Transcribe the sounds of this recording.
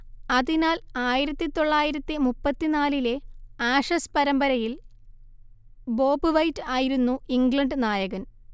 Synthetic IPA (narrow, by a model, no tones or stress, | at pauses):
ɐðinaːlaːjiɾɐt̪ːit̪o̞ɭːaːjiɾɐt̪ːimupːɐt̪ːinaːlile̞aːʂɐspɐɾɐmbɐɾɐjil | bo̞ːbɨʋɐjtːɨaːjiɾunːuiŋɡlɐɳɖnaːjɐɣɐn